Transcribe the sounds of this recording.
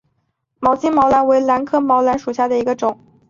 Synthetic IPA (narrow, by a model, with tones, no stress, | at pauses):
mɑ˨˩ʊt͡ɕi˥ŋmɑ˧˥ʊla˧˥nwe˧˥ɪla˧˥nkʰɤ˥˩mɑ˧˥ʊla˧˥nʂu˨˩ɕja˥˩d̪ə˩i˧˥ɡə˧ʈ͡ʂʊ˨˩˦ŋ